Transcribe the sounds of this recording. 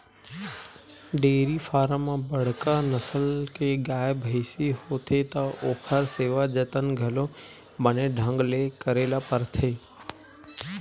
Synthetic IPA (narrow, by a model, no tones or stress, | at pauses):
ɖeːɾifʰaːɾəmãbəɽ̤kanəsəlkeɡaːəbɦəɪsihoːt̪ʰet̪aʔoːkʰaɾseːʋad͡ʒət̪ənɡʱəlõ | bəneɖʱə̃ŋɡlekəɾeːlapəɾt̪ʰeː